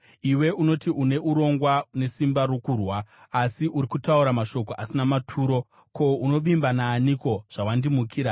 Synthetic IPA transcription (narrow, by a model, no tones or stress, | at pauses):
iwe̞uno̞tiʔune̞ʔuɾo̞ŋɡwane̞simbaɾwokurwaː | siʔuɾikutauɾamaʃo̞k̬o̞ʔasinamatʰuːɾo̞ | ko̞uno̞ʋimbanaːniko̞ʐ̥awandimukʰiːɾa